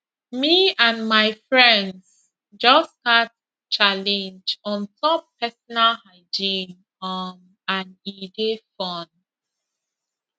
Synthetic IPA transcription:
miãnmaɪfɹɛ̃nds | d͡ʒɔskat | t͡ʃalɛ̃nd͡ʒɔ̃ntɔpʰɛsɔnalhaɪd͡ʒĩn | ɔm | ãnidefɔ̃n

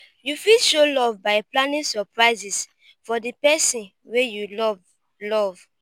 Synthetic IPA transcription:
jufiʃolɔvbaɪplãnĩsɔpɹaɪzis | fɔdipɛsĩn | wejulɔv | lɔv

